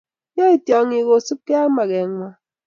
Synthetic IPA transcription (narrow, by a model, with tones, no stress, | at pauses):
jɔ˦i˨tjɔ˨ŋi˨ɣo˨su˦p̚ke˦a˦ma˨ɣe˨˦ŋʷa˨